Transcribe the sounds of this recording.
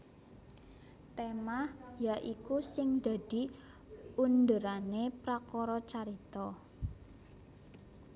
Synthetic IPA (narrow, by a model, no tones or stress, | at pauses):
t̪emahjaʔikusɪŋd̪̥a̤d̪̥i̤ | und̪əɾanepɾakɔɾɔt͡ʃaɾit̪ɔ